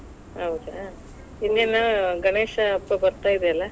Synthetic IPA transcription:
ɐwt͡ʃa | inːenːɐɡɐɳeːʂɐːpːɐbɐɾt̪aːjid̪eɐlːɐ

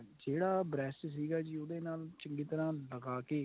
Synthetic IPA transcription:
d͡ʒeːɽaːbɾɛːssiːɡaːd͡ʒiːʊd̪ẽːnaːlt͡ʃəŋɡiːt̪əɾãːləɡaːkeː

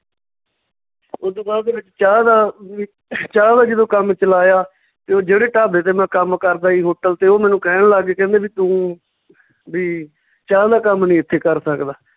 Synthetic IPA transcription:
od̪õːbaːɾd̪eːbɪt͡ʃt͡ʃaːd̪aː | t͡ʃaːd̪aːd͡ʒɪd̪õːkəmt͡ʃəlaːjaː | t̪eːoːd͡ʒeːɽeːʈaːbeːt̪̬eːmɛ̃ːkəmkəɾd̪aːiːɦoːʈəlt̪eːoːmɛ̃ːnũːkɛːɳlaːɡeːkɛ̃ːnd̪eːʋiːt̪ũː | biː | t͡ʃaːd̪aːkəmnĩːɪt̪ʰːeːkəɾsəkd̪aː

